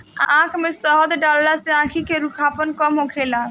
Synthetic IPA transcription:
ãkʰmesɔɦɔd̪ɖɔlːaseãkʰikeɾukʰapɔnkɔmɦokʰela

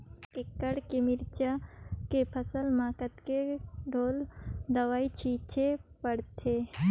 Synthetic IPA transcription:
kekəɽkemɪɾt͡ʃakepʰəsəlmaːkət̪keɖʱoːld̪əʋaːit͡ʃʰiːt͡ʃʰepəɽt̪ʰe

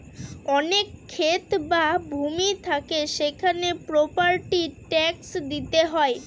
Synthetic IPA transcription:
ɔnekʰːet̪babʱumit̪ʰakeʃekʰanepɾopaɾʈiʈɛksd̪it̪eɦɔe

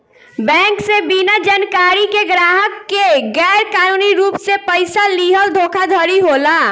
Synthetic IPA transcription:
bɛ̃ːŋksebinad͡ʒaːnkaːɾikeɡɾaːɦəkːeɡɛːɾkaːnuːniɾuːpsepəɪsaliːɦəld̪ʱoːkʰad̪ʱəɾiɦoːlaː

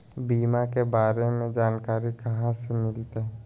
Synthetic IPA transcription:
biːmakebaːɾemẽd͡ʒaːnkaːɾikɐɦãsemɪlt̪ɛ

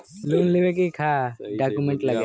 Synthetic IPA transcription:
lunlibek̬ikʰaɖakumɛɳʈlaɡa

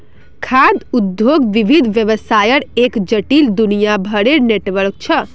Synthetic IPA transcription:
kʰad̪ud̪joɡʋibʱid̪ʱʋjəʋəsajəɾekd͡ʒəʈild̪unijabʱəɽeneʈʋəɾk̚t͡ʃʰə

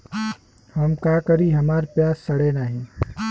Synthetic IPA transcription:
hɐmkaːkɐɾiɦɐmaːɾpjaːsːɐɽenaːɦĩː

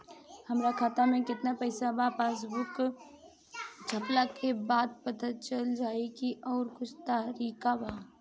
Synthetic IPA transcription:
həmɾakʰaːt̪amẽkɪt̪napəɪsabapaːs̬bʊk | d͡ʒʱəplakebaːd̪̚pət̪ət̪̚t͡ʃəld͡ʒaːekiʔɔːɾkʊt͡ʃʰt̪aɦɾiːkabaː

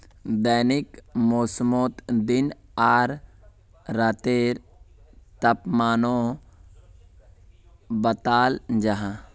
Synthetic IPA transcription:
d̪aːnɪkmoːsmoːt̪d̪ɪnaːɾː | aːt̪eːɾ | t̪ɐpmaːnõː | bət̪aːld͡ʒaɦã

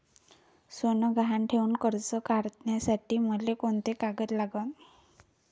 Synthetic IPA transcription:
sonəɡaɦaɳʈʰeuːnkəɾt͡sɔkaɾt̪njasaʈiːməlekoɳt̪ekaɡət̪laɡən

